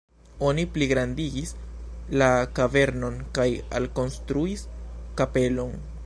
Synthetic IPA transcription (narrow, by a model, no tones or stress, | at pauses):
o̞nipliɡɾandiɡislakave̞ɾno̞nkaja̰lko̞nstɾuiskape̞lo̞n